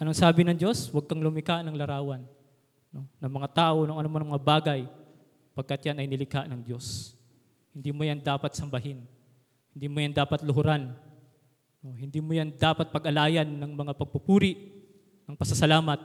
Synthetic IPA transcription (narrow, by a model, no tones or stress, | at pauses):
ʔɐnoŋsaːbɪnɐŋd͡ʒo̞swɐɡ̚kɐŋlʊmɪkanɐŋlɐɾaːwɐnː | o̞nɐŋmɐŋat̪aːʔonʊŋʔɐnomɐnɐŋmɐŋabaːɡɐj | pɐɡ̚kɐt̪janɐjnɪlɪkanɐŋd̪jo̞s | hɪnd̪iːmojand̪aːpɐt̪̚sɐmbɐhɪn | hɪnd̪iːmojand̪aːpɐt̪lʊɦʊɾan | no̞ɦɪnd̪iːmojand̪aːpɐt̪̚pɐɡʔɐlaːjɐnːɐŋmɐŋapɐɡ̚pʊpuːɾɪʔ | nɐŋpɐsɐsɐlaːmɐt̪̚